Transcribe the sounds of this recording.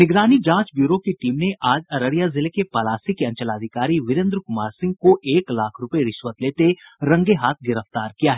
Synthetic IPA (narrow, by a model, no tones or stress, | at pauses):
nɪɡɾaːnid͡ʒãːt͡ʃbjuːɾokeʈiːmneʔaːd͡ʒɐɾəɾijazɪlekepɐlaːsikeɐ̃nt͡ʃəlaːd̪ʱɪkaːɾiʋɪɾɪ̃nd̪ɾkʊmaːɾsɪ̃ŋɡ̚koʔeːklaːkʰɾʊpeɾɪʃʋət̪leːt̪eɾɐ̃ŋɡeɦaːt̪̚ʰɡɪɾəft̪aːɾkijaɦɛː